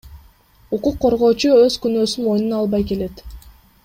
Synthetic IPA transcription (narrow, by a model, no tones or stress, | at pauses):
uquqːo̞ɾʁo̞ːt͡ʃuøzkynøːsyno̞jnunɑlˠbɑjke̞le̞t̪